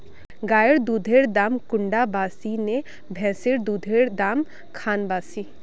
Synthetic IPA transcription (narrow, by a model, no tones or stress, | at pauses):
ɡaːjəɽd̪uːd̪ʱeːɽd̪aːmkʊɳɖabaːsine | bʱɛ̃ːseɽd̪uːd̪ʱeɽd̪aːm | kʰaːnbaːsiː